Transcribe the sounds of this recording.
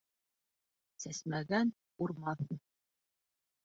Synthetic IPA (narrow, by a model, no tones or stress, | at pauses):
sæsmæɡæn | uɾmɑθ